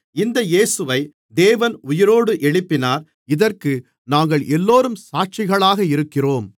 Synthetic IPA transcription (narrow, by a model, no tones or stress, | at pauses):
ɪnd̪ɐjeːsɯʋɐɪ | d̪eːʋɐnʊjɪɾoːɽɯʔɛɭɪpːɪnaːɾ | ɪðɐrkɯ | naːŋɡɐɭʔɛlːoːɾɯmsaːʈ̚t͡ʃɪɣɐɭaːɣɐɪɾɯkːɪroːm